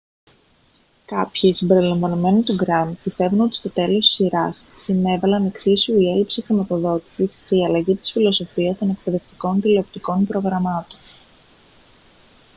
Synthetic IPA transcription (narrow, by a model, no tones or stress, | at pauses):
kɐpçiːsimbe̞ɾilɐɱvɐnome̞nit̪uɡɾɐnpist̪e̞vuno̞t̪i̥st̪o̞t̪e̞lo̞st̪i̥siɾɐsːine̞vɐlɐne̞ksisuie̞lipsixɾimɐt̪o̞ðo̞t̪i̥sisce̞iɐlɐʝit̪i̥sfilo̞so̞fiɐst̪o̞ne̞k̚pe̞ðe̞ft̪i̥ko̞nt̪ileop̚t̪iko̞npɾo̞ɣɾɐmɐt̪o̞̥n